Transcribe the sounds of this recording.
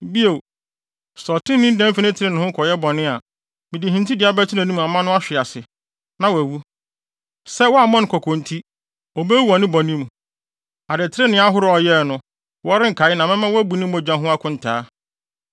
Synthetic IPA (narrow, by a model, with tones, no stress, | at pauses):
bi˦e˨ | sɔ˨tʰɪ̃˦nɪ̃˦n̩˦dɛ̃˦m˦fɪ˦nɪ̃˦tʰɪ˨ɾe˦nɪ̃˨hʊ̃˦kʰɔ˨jɛ˦bɔ˨nɪ̃˦a˨ | mɪ̃˨di˨ɦĩ˨ntʰi˦dɪ˨˦a˨˦bæ˦tʰɪ˦nã˨nĩ˦mũ˨a˨mã˦nʊ̃˦a˦ɕᶣɪ˨a˨sɪ˨ | nã˨wæ˨wu˦ | sɛ˦wɔ˦a˨mɔ̃˦n˦kʰɔ˨kʰɔ̃˨ntʰi˦ | ɔ˨be˦wɔ˨nɪ̃˦bɔ̃˨nɪ̃˦mũ˨ | a˨dɪ˨tʰɪ˦ɾe˦nɪ̃˦a˦ɦʊ˦ɾʊ˨ɔ˨jɛ˦˨nʊ̃˨ | wɔ˦ɾɪ̃˦ŋ̩˨kʰa˨ɪ˦nã˨mɪ̃˦mã˦wæ˦bu˨nɪ̃˦m˦ɔ̃˨d͡ʑᶣã˦ɦʊ̃˦a˦kʰʊ̃˦n̩˨tʰaː˦